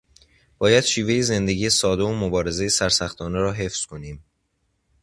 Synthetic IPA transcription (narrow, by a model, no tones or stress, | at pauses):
b̥ɒːjæd̪̥ʃiːve̞jeze̞nd̪e̞ɟijesɒːd̪eomobɒːɾe̞ze̞jesæɾsæxt̪ʰɒːneɾɒːɦe̞fz̥kʰo̞niːm